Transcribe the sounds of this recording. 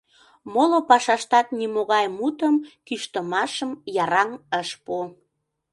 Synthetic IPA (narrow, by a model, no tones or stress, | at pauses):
molopɑʃɑʃt̪ɑt̪̚nimoɣɑjmut̪əmkyʃt̪əmɑʃəmjɑɾɑŋəʃpo